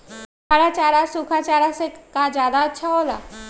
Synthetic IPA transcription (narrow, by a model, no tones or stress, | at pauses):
baːɾat͡ʃaːɾasukʰat͡ʃaːɾasekad͡ʒjaːd̪atːʃʰaɦoːla̰ː